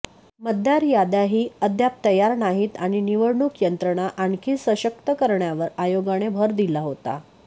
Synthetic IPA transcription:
məd̪ʱjaɾjad̪aɦiːəd̪ʱjap̚t̪əjaɾnaɦiːt̪aɽ̃iniʋəɽɳukjənt̪ɾəɳ̃aʔaɳkʰiːsəɕək̚t̪əkəɾɳjaʋəɾajoɡaɽ̃ebʱəɾd̪ilaɦot̪a̰

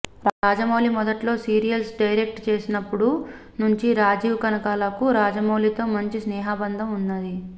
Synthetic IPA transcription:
ɾaːd͡ʒɐmoːlimɔd̪ɐʈlo̞ːsiːɾijɐlsɖɐjɾek̚ʈt͡ʃe̞ːsinɐpːuɽu | nuɲt͡ʃiɾaːd͡ʒiːʋkɐnɐkaːlɐkuɾaːd͡ʒɐmoːlit̪o̞ːmɐɲt͡ʃisnɛːɦaːbɐnd̪ʱɐmunːɐd̪i

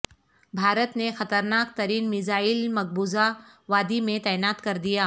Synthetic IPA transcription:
bʱaːɾət̪nexɐt̪əɾnaːkt̪ɐɾiːnmɪzaːɪlmɐɡ̚buːza | ʋaːd̪imẽt̪ɛːɪnaːt̪kɐɾd̪ijaː

